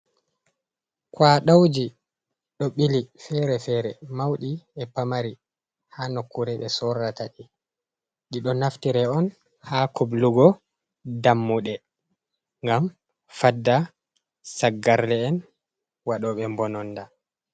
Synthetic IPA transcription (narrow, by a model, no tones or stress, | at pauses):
kwaɗawd͡ʒi | ɗɔɓilifɛɾɛfɛɾɛmawɗiɛpamaɾi | hanokːuɾɛɓɛsɔɾataɗi | ɗiɗɔnaftiɾɛɔn | hakʰubluɡɔ | damːuɗɛ | ŋɡam | fadːa | saɡːaɾlɛːn | waɗɔɓɛmbɔnɔnda